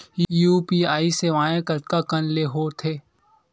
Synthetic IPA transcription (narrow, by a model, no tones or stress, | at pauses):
juːpiːaːiseʋãːẽkɐt̪kakənleɦoːt̪ʰeː